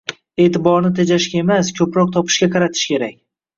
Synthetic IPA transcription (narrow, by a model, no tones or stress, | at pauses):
e̞ːt̪ʰɪbɒɾnɪt̪ʰed͡ʒaʃkʲae̞maskʲʰɵpɾɒq̚t̪ʰɒpʰɪ̥ʃkʲaqʰɑɾat̪ʰɪ̥ʃkʲʰe̞ɾakʲ